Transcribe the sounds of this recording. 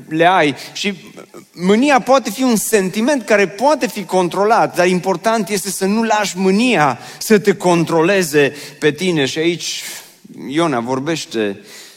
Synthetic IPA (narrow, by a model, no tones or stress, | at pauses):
leajʃi | mɨniapoat̪e̞fiunse̞nt̪ime̞nt̪̚kaɾe̞poat̪e̞fiko̞nt̪ɾo̞lat̪̚d̪arimpo̞rt̪ant̪je̞st̪e̞sənulaʃmɨniasət̪e̞ko̞nt̪ɾo̞le̞ze̞pe̞t̪ine̞ʃiait͡ʃʲ | jo̞navo̞rbe̞ʃt̪e̞